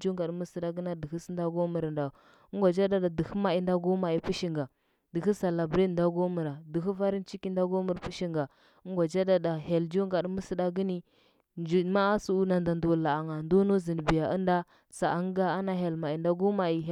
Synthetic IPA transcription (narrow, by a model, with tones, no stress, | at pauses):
d͡ʒu˦ŋɡa˨ɗmə˦sə˦da˦ɡə˦na˦də˨xi˦snda˦ɡo˦mə˨ɾa˨nda˨˦ | ŋɡʷa˨d͡ʒa˦da˦da˨də˨xə˦ma˨i˨˦nda˦ɡu˦ma˨i˨pi˦ʃi˨ŋɡa˨ | də˨xi˦sa˨la˨bɾi˦˨nda˦ɡo˦mə˨ɾa˨də˨xu˦va˦ɾi˦nt͡ʃi˦ki˦nda˦ɡo˦mə˨ɾpi˦ʃi˦ŋɡa˨˦ | ŋ˦ɡʷa˨d͡ʒa˦da˦da˨ɦe˨ld͡ʒu˦ŋɡa˨ɗmə˦sə˦ɗa˦ɡə˦ni˦ | d͡ʒu˨ma˦a˦su˦u˦na˨nda˨ndu˨wu˨lːa˨a˨ŋa˨ndo˦no˦zi˨n˨bi˨ja˨ʔa˦nda˦ | sa˨a˦ŋ˦ɡa˦a˦na˦ɦe˨lma˨i˨nda˦ɡu˦ma˨i˨ɦ